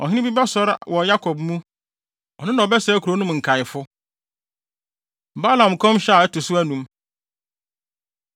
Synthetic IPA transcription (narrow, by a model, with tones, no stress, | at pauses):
ɔ˨ɦɪ̃˦nɪ̃˦bi˦bɛ˦sɔ˦ɾwɔ˨ja˦kʰɔ˨b̚mũ˦ | ɔ˨nɪ̃˦nã˨ɔ˨bɛ˦sɛ˨˦kʰu˨ɾo˨˦nũ˦m˨ŋ̩˨kʰa˨jɪ˨fʊ˦˨ | ba˦lã˨m˨kʰɔ̃˦mɕɛ˦a˨ɛ˦tʊ˨sʊ˦æ˦nũ˨m